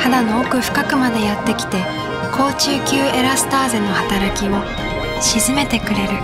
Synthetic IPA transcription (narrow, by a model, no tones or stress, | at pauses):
had̪ano̞ːkɯ̟ɸɯ̥kakɯ̟mad̪e̞jat̪ːe̞kʲi̥t̪e̞ | kʰo̞ːt͡ɕɨːkʲɨːe̞ɾasɨ̥t̪aːze̞nːo̞hat̪aɾakʲimo̞ | ɕizɨme̞t̪e̞kɯ̟ɾe̞ɾɯ̟